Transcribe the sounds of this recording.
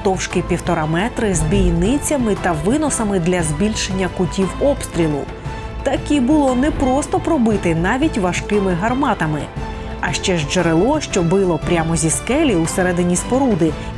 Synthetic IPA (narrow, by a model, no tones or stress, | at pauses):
t̪ɔwʃkipʲiwt̪ɔɾamɛt̪ɾɪzbʲijnɪt͡sʲɐmɪt̪ɐʋɪnɔsɐmɪd̪lʲɐzbʲilʲʃenʲːɐkʊtʲiwɔpst̪ɾʲilˠʊ̰ | t̪ɐkʲibʊlˠɔnɛpɾɔst̪ɔpɾɔbɪt̪ɪnɑʋʲitʲʋɐʃkɪmɪɦɐrmɑt̪ɐmɪ̰ | ɐʃt͡ʃɛʒd͡ʒeɾelˠɔʃt͡ʃɔbɪlˠɔpɾʲamɔzʲiskɛlʲiuseɾɛd̪ɪnʲispɔɾud̪ɪ